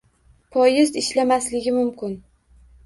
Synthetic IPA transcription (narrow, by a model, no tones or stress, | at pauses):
pʰɒjɪzɪʃlamaslɪɡʲɪmʊmkʲʰɪn